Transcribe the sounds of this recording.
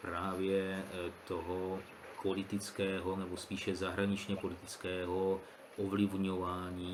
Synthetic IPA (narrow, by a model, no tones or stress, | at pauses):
pɾaːvjɛt̪oɦo | po̞lɪt̪ɪt͡skɛːɦonɛbospiːʃɛzaɦɾaɲɪt͡ʃɲɛpo̞lɪt̪ɪt͡skɛːɦo | ʔovlɪvɲovaːɲiː